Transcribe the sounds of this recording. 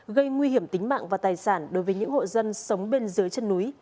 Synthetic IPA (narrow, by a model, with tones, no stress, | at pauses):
ɣə˧jŋwi˧hi˧˩əmt̪ï˨˦ŋ̟ma̰ː˧˨ŋvaː˨˩t̪aː˨˩jsaː˧˩nɗo˨˦jvə˨˦jɲɨ̰˧˥ŋho̰˧˨zə˧nsə˨˦wŋ͡mɓe˧nzɨ˨˦jt͡ɕə˧nːu˨˦j